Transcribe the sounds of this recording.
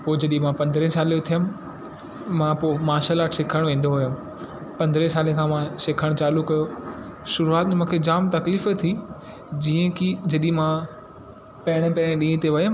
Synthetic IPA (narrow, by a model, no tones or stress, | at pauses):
poːd͡ʑɐɗĩmãpɐ̃nd̪ɾẽsaːlejot̪ʰijəmɪ̆ | mãpoːmaːʃaːlaːʈsɪkʰəɽ̃ʋẽːn̆d̪oɦʊjəm | pɐ̃nd̪ɾẽsaːlekʰãmãsɪkʰəɽ̃t͡ɕaːlukɐjoʃʊɾuaːt̪̚mẽmũːkʰed͡ʑaːmt̪ɐkliːfet̪ʰi | d͡ʑiːə̃kid͡ʑɐɗimã | pɐɦɪɽ̃ẽpɐɦɪɽ̃ẽɗĩːt̪eʋɐjəm